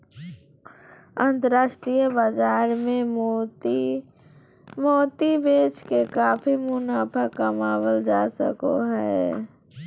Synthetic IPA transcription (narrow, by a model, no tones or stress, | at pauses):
ə̃nt̪əɾaːʃʈɾijəbad͡ʒaːɾmẽ | moːt̪ibeːt͡ʃkekaːpʰimʊnaːpʰəkːəmaːwəld͡ʒaːsə̰ko̰ɦɛː